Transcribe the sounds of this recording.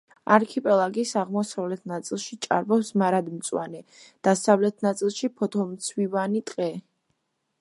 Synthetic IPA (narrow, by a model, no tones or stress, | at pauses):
aɾkʰipʼɛlˠaɡisaʁmɔsavlɛt̪ʰnat̪sʼilˠʃit͡ʃʼa̰ɾbɔpsmaɾad̪mt̪sʼwa̰nɛd̪̥asavlɛt̪ʰnat̪sʼilˠʃipʰɔt̪ʰɔmt̪sʰwivanit̪ʼqʼɛ